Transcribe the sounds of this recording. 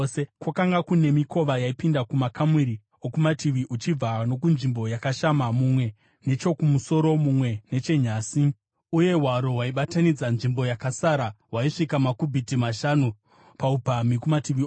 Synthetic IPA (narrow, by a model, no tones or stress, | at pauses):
sekwakaŋɡakune̞miko̞ʋajaipindakumakamiɾi | o̞kumatʰiʋiʔut͡ʃib͡vano̞kunʐimbo̞jakaʃamamumwe̞ | ne̞t͡ʃo̞kumuso̞ɾo̞mumwe̞ne̞t͡ʃe̞ɲaːsi | uje̞ɦwaɾo̞ɦwaiɓatanid͡zanʐimbo̞jakasaɾaɦwaiʂikamakubʱitimaʃanu | paupamikumatiʋi